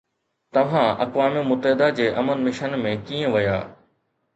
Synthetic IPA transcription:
t̪ɐʋ̤ãɐ̰kʋaːmɪmʊt̪əɦɪd̪ad͡ʑeːʔɐmənmɪʃənmẽkiːə̃ʋɐja̰ː

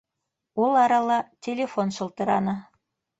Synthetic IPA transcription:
ulˠɑɾɑlːɑtʲelʲefonʃɤ̆lˠt̪ɤ̆ɾɑ̰nɤ̆

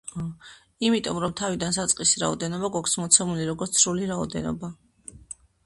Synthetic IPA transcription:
imit̪ʼɔmɾɔmt̪ʰavid̪ans̬at̪sʼqʼisɾa̰ɔ̰d̪ɛnɔbaɡakʷʰsmɔt̪sʰɛmuliɾɔɡɔɾt̪sʰɾuliɾaɔ̰d̪ɛ̰nɔ̰ba

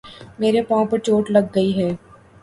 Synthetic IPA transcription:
meːɾepãːpɐɾt͡ʃoːʈlɐɡːɐiɦɛː

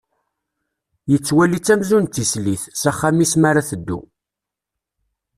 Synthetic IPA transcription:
jət͡sːwælit͡sːæmzunt̪ːisliθsæχːamismaɾaθəd̪ːṵ

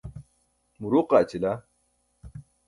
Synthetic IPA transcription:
muɾuqaːt͡ɕila

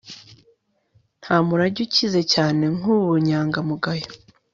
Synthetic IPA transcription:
n̥haːmuɾaɟucize̞caːne̞ŋuβuɲaːŋɡamuɡajo

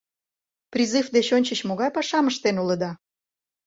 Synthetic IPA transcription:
pɾʲizɨfd̪et͡ɕonʲt͡ɕə̆t͡ɕmoɣɑjpɑʃɑməʃt̪enulə̆d̪ɑ

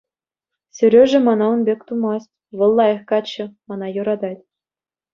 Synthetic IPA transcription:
sʲø̆ɾʲøʐɘ̆mɑnɑunbʲekʲt̪umɑsʲtʲʋɤ̆lˠːɑjɤ̆χkɑt͡ɕːɘ̆mɑnɑjuɾɑd̪ɑtʲ

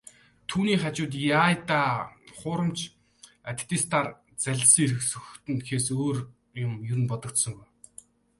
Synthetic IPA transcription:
t̪ʰuːniːχat͡ɕʊːt̪̬jaːjt̪aːχʊːɾə̆mt͡ɕʰ | at̪ʲʰt̪iːst̪ʰar | t͡sæɮʲsiŋeɾɘ̆ksɵxt̪ɘ̆nt̪xeːsoːr | jʊmjɵɾɘ̆npɔt̪ɞ̆kt̪sɞ̆ŋɡuj

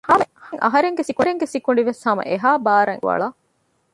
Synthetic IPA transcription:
hɐhɐŋʔɐ̰ɦɐɾeŋɡesikuɾeŋɡesikuɳ̆ɖiʋeshɐmɐ̰ʔeɦaːbaːɾɐ̰ŋʋɐ̰ɭaː

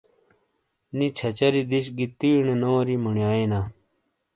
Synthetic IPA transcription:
nit͡ɕʰɐt͡ɕɐɾid̪iɕɡit̪iːɳenoːɾimuɳjaːina

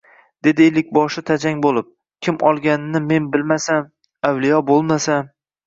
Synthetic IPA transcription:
d̪̥e̞d̪ɪejlɪk̚ʲbɒʃɪt̪ʰad͡ʒaŋʲbolˠɪp̚ | kʲʰɪmʔɒlˠɡʲanɪnːɪme̞nbɪlmasan | awlijɒbolˠmasan

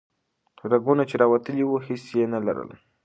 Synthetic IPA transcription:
t̪uɾaɡunat͡ʃeɾɑwat̪əliwuhisjenala̰ɾə̰l

